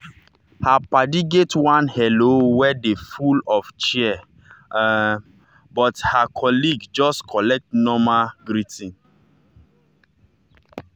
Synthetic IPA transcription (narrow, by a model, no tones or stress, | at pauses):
hapadiɡetwãnhɛlowɛdefulɔft͡ʃiɛ | bɔthakʰɔliɡd͡ʒɔskʰɔlɛk̚tnɔmaɡɾitĩn